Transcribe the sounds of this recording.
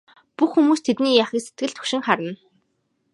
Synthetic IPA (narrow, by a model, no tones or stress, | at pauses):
puxːumuːst̪ʰet̪niːjaχiːkset̪̚ɡɘ̆ɮt̪ʰɵ̥kʃɪ̆ŋχaɾə̆n